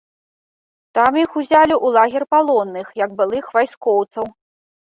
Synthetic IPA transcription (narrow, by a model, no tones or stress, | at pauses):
t̪amjixuzʲalʲiʔulˠaɣʲɛrpalˠɔnːɨxjɐɡbɨlˠɨxvajskɔwt̪sɐw